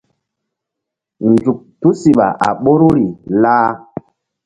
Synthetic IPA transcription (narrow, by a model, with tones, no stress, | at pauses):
nd͡ʒu˨k̚tu˦si˨ɓa̰˨ʔa̰˨ɓo˦ɾu˦ɾi˨laː˦